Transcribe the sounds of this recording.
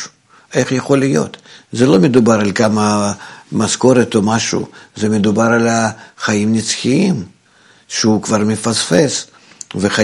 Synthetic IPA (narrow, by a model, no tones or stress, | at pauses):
eχjɐχo̞lʲːɪjo̞̰t̪zɛlˠo̞mʲed̪ubaɾalʲkamɐmasko̞ɾet̪omaʃṵːzɛmʲɪd̪ʊbaɾalʲaχajimnʲɪt̪sxʲɪim | ʃeukvarmʲɪfasfes | veχa